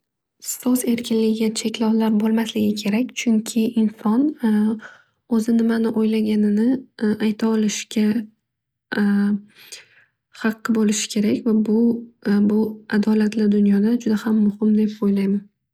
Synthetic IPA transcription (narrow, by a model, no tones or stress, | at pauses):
ssɒse̞ɾkʲʰɪnlɪɡʲɪɡʲat͡ʃʰe̞kʲlɒwlaɾbolˠmaslɪɡʲɪkʲʰe̞ɾakʲt͡ʃʰʊŋkʲʰɪʔɪnsɒn | ozɪnɪmanɪʔojlaɡʲanɪnɪajt̪ʰaɒlɪʃkʲa | χɑqːɨbolɪʃɪ̥kʲʰe̞ɾakʲvabʊbʊad̪ɒlat̪ʰlɪd̪ʊnjɒd̪ad͡ʒʊd̪ahamːʊhɪmd̪e̞pojlajman